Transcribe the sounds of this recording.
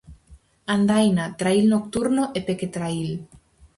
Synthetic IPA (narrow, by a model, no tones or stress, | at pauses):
and̪ajnat̪ɾailnok̚t̪uɾnoʔepeket̪ɾail